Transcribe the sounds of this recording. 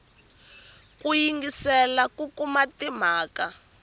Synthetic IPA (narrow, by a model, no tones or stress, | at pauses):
kujiŋɡisɛlakukumatim̤aːka